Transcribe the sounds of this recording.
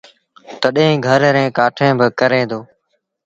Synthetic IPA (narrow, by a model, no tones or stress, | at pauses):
t̪əɗẽːɡʱəɾɾẽːkaːʈʰẽːbɪkəɾẽːd̪oː